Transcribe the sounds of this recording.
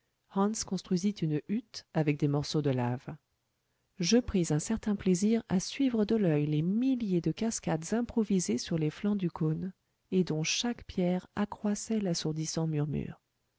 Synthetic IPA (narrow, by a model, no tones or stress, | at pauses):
hɑ̃nskɔ̃st̪χɥizit̪ynyt̪avɛk̚d̪emɔʁsod̪əlav | ʒəpχizɛ̃sɛʁt̪ɛ̃pleziʁasɥivʁəd̪əlœjlemiljed̪əkaskad̪zɛ̃pχɔvizesyʁleflɑ̃d̪ykon | ed̪ɔ̃ʃakpjɛʁakχwasɛlasuʁd̪isɑ̃myʁmy̰ːʁ